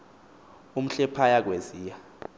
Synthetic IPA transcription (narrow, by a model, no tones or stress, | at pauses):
um̩ɬɛpʰajak̬weziːja